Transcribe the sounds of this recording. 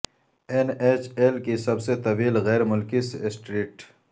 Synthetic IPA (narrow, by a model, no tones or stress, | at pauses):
eneːt͡ʃelkisɐbset̪ɐʋiːlɣɛːɾmʊlkisɪsʈɾiːʈ